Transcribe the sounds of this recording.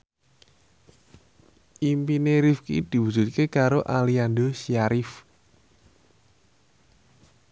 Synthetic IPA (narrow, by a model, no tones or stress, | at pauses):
ʔimpineɾifkḭd̪̥i̤wu̥d͡ʒ̥ṳt̪̚kekaɾoʔaliand̪osiaɾɪf